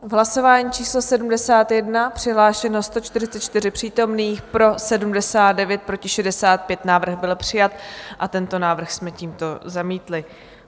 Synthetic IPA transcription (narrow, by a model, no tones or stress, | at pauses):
vɦlaso̞vaːɲiːt͡ʃʰiːslosɛdumdɛsaːt̪jɛdnapr̝̥ɪɦlaːʃɛnost̪o̞t͡ʃt̪ɪrɪt͡sɛt̪t͡ʃt̪ɪrɪpr̝̥iːt̪o̞mniːxpɾo̞sɛdumdɛsaːt̪dɛvjɛt̪̚pɾo̞cɪʃɛdɛsaːt̪̚pjɛt̪naːvr̩ɣbɪlpr̝̥ɪjat̪ʔat̪ɛnt̪o̞naːvr̩xsmɛciːmt̪o̞zamiːt̪lɪ